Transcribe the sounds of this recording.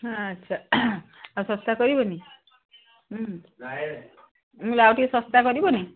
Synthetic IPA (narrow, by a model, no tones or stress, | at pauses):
ɦaətːʃʰa | asɔst̪akɔɾibɔni | ulawʈisɔst̪akɔɾibɔni